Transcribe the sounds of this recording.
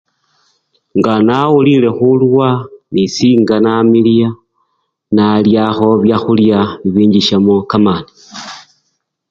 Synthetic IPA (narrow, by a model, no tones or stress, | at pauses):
ŋɡanawulile̞xulwanisiːŋɡanamilia | naljaxo̞βjaxuljaβiβiːɲɟiʃamokamaːni